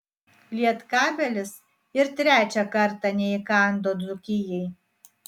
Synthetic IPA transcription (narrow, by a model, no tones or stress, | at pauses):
lʲiɛt̪kɑːbʲɛlʲɪs | ɪɾt̪ʲɾʲæːt͡ʃʲɛkɐɾt̪ɑnʲɛɪkɑˑnd̪oːd̪zʊkʲɪjɛɪ